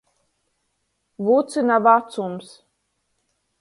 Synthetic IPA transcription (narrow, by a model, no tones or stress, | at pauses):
vuːt̪sɨnavat̪sums